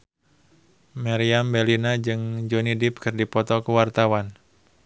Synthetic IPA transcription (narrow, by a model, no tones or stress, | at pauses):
maɾiambɛlinad͡ʒɨŋd͡ʒonidɪp̚kɨrdipɔt̪ɔkuwart̪awan